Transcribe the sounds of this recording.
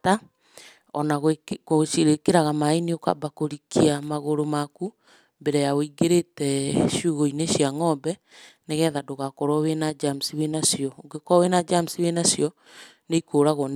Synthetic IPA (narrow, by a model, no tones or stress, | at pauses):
ta | ɔnaɣkoʃiɾekeɾaɣamaenioka̰bakoɾikʰiamaɣoɾomaku | mbeɾɛjaoiɡeɾetɛʃuːɣɔineʃiaŋɔbɛneɣɛðadoɣakɔɾɔwenad͡ʒam̩siwenasjɔoɡekɔwenad͡ʒamusiwenasjɔ | neikʰoːɾaɣɔn